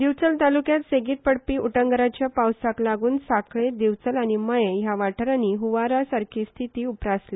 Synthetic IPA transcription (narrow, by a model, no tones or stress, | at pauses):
d̪iʋt͡səlt̪alukjat̪seɡiːt̪̚pəɽpiːʔuʈəŋɡəɾat͡ɕjapawsaklaɡuːnsakɭed̪iʋt͡səlaɽ̃iməjejaʋaʈʰəɾaniːɦuʋaɾasaɾkʰiːst̪ʰit̪iːupɾasli